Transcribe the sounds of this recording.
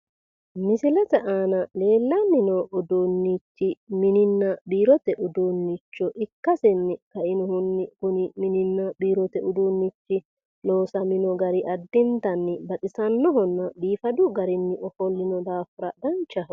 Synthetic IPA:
mɪsɪlɐt̪ɛʔaːnɐle̞ːlːɐmːɪnɔʊd̪uːnːit͡ʃːɪmɪnɪnːɐbiːɾɔt̪ɛʔʊd̪uːnːɪt͡ʃːɔʔɪkːɐsɪnːɪkɐʔɪnɔɦʊnːɪkʊnɪmɪnɪnːɐbiːɾɔt̪ɛʊd̪uːnːɪt͡ʃːɪ | loːsɐmɪnɔɡɐɾɪʔɐd̪ːɪnt̪ɐnːɪbɐtɪsɐnːɔɦɔnːɐbiːfɐd̪ʊɡɐɾɪnːɪʔɔfɔlːɪnɔd̪aːfɾɐd̪ɐnt͡ʃːɐɦ

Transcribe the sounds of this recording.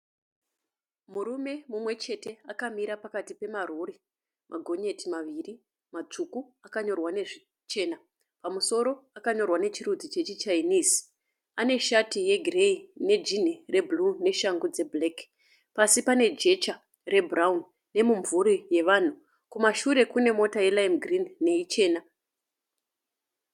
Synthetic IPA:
muɾume̞mumwe̞t͡ʃe̞te̞akamiɾapakatipe̞maruːɾi | mʔaɡʱo̞ɲe̞timaʋiri | mat͡ʂuku | akaɲo̞rwane̞ʐi | t͡ʃe̞ːna | pamuso̞ɾo̞akaɲo̞rwane̞t͡ʃirud͡zit͡ʃe̞t͡ʃit͡ʃainisi̥ | ane̞ʃatije̞ɡʱireine̞d͡ʒin̤ire̞bʱulune̞ʃaŋɡud͡ze̞blek | pasipane̞d͡ʒe̞t͡ʃa | re̞braunː | e̞muɱvuɾije̞ʋaːn̤u | kumaʃuɾe̞kune̞mo̞taje̞laimɡrinːe̞it͡ʃe̞ːna

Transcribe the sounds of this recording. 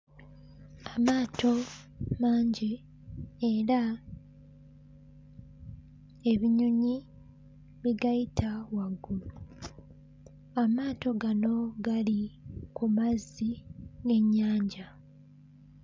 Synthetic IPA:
amaːtʰo̞ | maːɲɟi | eɾa | e̞βiɲuɲi | βiɡajitʰawaɡu | amaːto̞ɡano̞ɡalikumaziŋe̞ɲːaːɲɟa

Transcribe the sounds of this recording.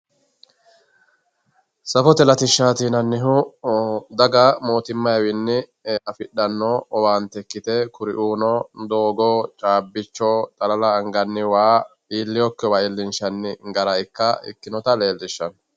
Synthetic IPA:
sɐfɔt̪ɛlɐt̪ɪʃːaːt̪iːnɐnːɪɦʊ | d̪ɐɡɐmo̞ːt̪ɪmːɐjɐwɪnːɪɐfɪɗːɐnːɔɔwaːnt̪ɛkːɪt̪ɛkʊɾɪʔuːnɔd̪oːɡɔt͡ʃʼaːbːɪt͡ʃːɔt̪ʼɐlɐlɐːŋɡɐnːɪwaː | iːlːɪjɔkːɛwɐɪlːɪnʃɐnːɪɡɐɾɐɪkːɐɪ̰kːɪnɔt̪ɐle̞ːlːɪʃːɐn

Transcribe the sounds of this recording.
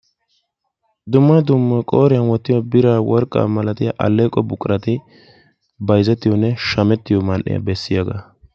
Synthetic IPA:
d̪ʊmːɐd̪ʊmːɐkʼoːɾɪjɐnwɔt̪ːɪjɔbɪɾaːwɔɾkʼːa̰ːmɐlɐt̪ɪjaːʔɐ̰lːeːkʼɔbʊkʼɾɐt̪ɪ | bɐjzɛt̪ːɪjɔnːɛʃɐmɛt̪ːɪjɔmaːlʔɪ̰jɐ̰bɛsːɪjɐɡɐ

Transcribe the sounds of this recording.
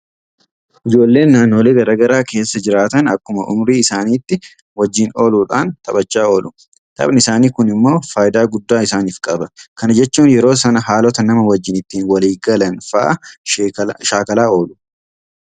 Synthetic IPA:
ʔɪd͡ʒo̞ːlːe̞ːnːaːnoːleːɡɐɾɐɡɐɾaːke̞ːsːɐd͡ʒɪɾaːt̪ɐnɐkːʊmɐʔʊ̰mɾiːɪsaːniːt̪ːɪ | wɐd͡ʒːɪno̞ːluːᶑaːnt̪ɐbɐt͡ʃːaːo̞ːlʊ | t̪ʰʼɐ̰bnɪsaːniːkʊnɪmːo̞ːfaːjɪd̪aːɡʊd̪ːaːɪsaːniːfkʼɐbɐkɐnɐd͡ʒɛt͡ʃːuːnjɛɾo̞ːsɐnɐɦaːlɔt̪ɐnɐmɐwɐd͡ʒːɪnɪt̪ːiːnwɐliːɡɐlɐnfɐʔɐ | ʃaːkɐlaːo̞ːlʊ̥

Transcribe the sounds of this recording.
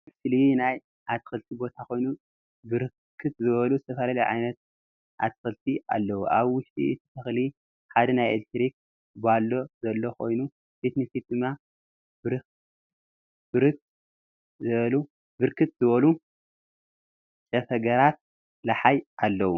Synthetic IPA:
ɨslinaj | ʔat̪ʰɨ̥xɨlt̪ʰibo̞t̪ʰakʰo̞jnu | bɨɾɨ | kʰːɨt̪zɨβɐluzɨt̪ʰɐfalalɐjʕa̰jnɐt̪̚ | ʔa̰t̪ʰɨ̥xɨlt̪ʰia̰lːɐwuʔaβwʊʃt̪ʼḭɨt̪ʰi̥t̪ʰɐxli | ħad̪ɐnajelt̪ɾik̚ | balːo̞zɐlːo̞kʰo̞̰jnu | fit̪nɨfit̪̚d̪ɨmːa | bɨɾɨ | b̥ɨɾɨk̚ | zɨβɐlu | bɨɾkʰɨt̪zɨβɐlu | t͡ʃʼɐfɐɡɐɾat̪̚ | laħajʔalːɐwu

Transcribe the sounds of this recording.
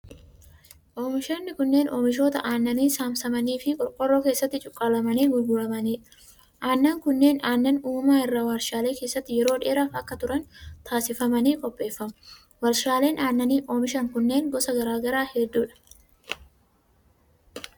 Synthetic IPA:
ʔoːmɪʃɐnːɪkʊnːe̞ːnʔoːmɪʃ̬o̞ːt̪ɐʔaːnːɐniːsaːmsɐmɐniːfɪkʼɔɾkʼɔrːoːke̞ːsːɐt̪ːɪt͡ʃʼʊkʼːaːlɐmɐniːɡʊlɡʊɾɐmɐniːᶑɐ | ʔaːnːɐŋkʊnːe̞ːnaːnːɐnuːmaːɪrːaːwɐɾʃaːle̞ːke̞ːsːɐt̪ːɪjɛɾo̞ːᶑeːɾaːfɐkːɐt̪ʊɾɐnt̪aːsɪfɐmɐniːkʼɔpʼːe̞ːfːɐmɐ̥ | wɐɾʃaːle̞ːnaːnːɐniːʔoːmɪʃɐŋkʊnːe̞ːŋɡɔsɐɡɐɾaːɡɐɾaːhɛd̪ːuːᶑɐ̥

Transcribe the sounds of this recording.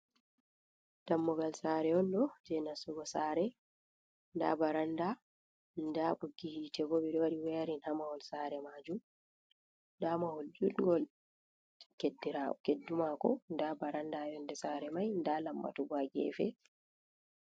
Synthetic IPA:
d̥amːɔɡalsaɾɛɔnɗɔtɛnasuɡɔsaːɾɛ | nda̰baɾanda | ndaɓoɡihitɛɡɔɓɛɾɔwaɾiwɛɾinhamahɔlsaɾɛmad͡ʒum | ndamahɔljuɗŋɡɔl | kedːiɾaɔkedːumakɔ̰ndabaɾandajɔndɛsaːɾɛmajndalamːa̰tubaɡɛ̰fɛ̰

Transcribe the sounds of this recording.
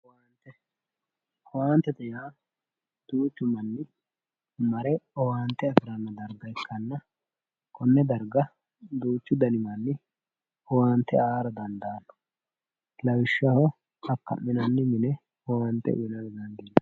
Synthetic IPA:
waːnt̪ːɛ | ɔwaːnt̪ːɛt̪ɐjaː | d̪̥uːt͡ʃːʊmɐnːɪ | mɐɾɛɔwaːnt̪ːɛɐfɪɾɐnːɐd̪ɐɾɡɐɛkːɐnːɐ | kʰɔnːɛd̪ɐɾɡɐ | d̪uːt͡ʃːʊd̪ɐnɪmɐnːɪ | ɔwaːnt̪ːɛaːɾɐd̪ɐnd̪aːnːɔ̥ | lɐwɪʃːɐhɔ | ɐkːɐ̰mːɪnɐnːɪmɪnɛ | ɔwaːnt̪ːɛ̰ʔʊ̰ɪnɐɡɐd̪ɐnd̪iːnːɐ

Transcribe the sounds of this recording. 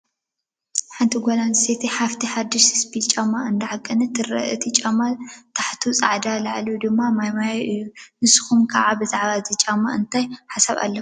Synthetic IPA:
ħant̪ʰiɡʷolanset̪ʰeħaft̪ʰiħad̪ːɨʃɨspʰilt͡ʃʼamːaɨnd̪ɐʕakʼːɐnɐt̪ʰːɨɾɐ̰ʔɨt̪ʰit͡ʃʼamːat̪ʰaħt̪ʰut͡sʼaʕd̪alaʕlud̪ɨmːamajmajʔɨjunɨsɨ̥xumkʰɐʕabɨzaʕβazɨt͡ʃʼamːaʔɨnt̪ʰajħasaβa̰lːɐ

